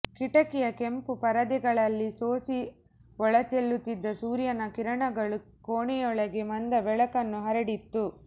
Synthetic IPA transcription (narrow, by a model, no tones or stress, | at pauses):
kiʈɐkijɐkempupɐɾɐd̪iɡɐɭɐlːisoːsi | ɔɭɐt͡ʃelːut̪ːid̪ːɐsuːɾjɐnɐkiɾɐɳɐɡɐɭu | koːɳijɔɭɐɡemɐnd̪ɐbɛɭɐkɐnːuɦɐɾɐɽit̪ːu